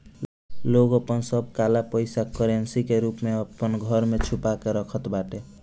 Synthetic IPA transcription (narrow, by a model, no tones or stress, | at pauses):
loɡəpənsəbʱkalapəjsakəɾensikeɾupmeəpənɡʱʌɾmet͡ʃʰupakeɾəkʰət̪baʈe